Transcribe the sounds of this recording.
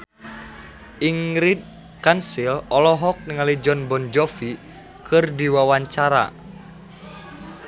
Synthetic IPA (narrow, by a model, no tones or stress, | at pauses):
ʔiŋɾid̚ | kansilɔlɔɦɔk̚niŋalid͡ʒɔnbɔnd͡ʒɔfi | kʰɨrdiwawaɲt͡ʃaɾa̰